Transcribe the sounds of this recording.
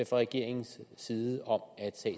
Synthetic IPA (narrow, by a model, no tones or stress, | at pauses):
əfɒʁɛɡ̥e̝ɐ̰e̝ŋn̩sːiːðˠəɒ̽mæd̥sɛ̰ː